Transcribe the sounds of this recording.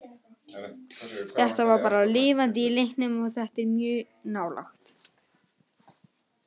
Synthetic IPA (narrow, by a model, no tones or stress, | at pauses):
θɛht̪avaɾpaːɾalɪːvant̪̬ɪːlejhnʏmɔθɛht̪ɪɾmjʏː | naːwlʔa̰xt̪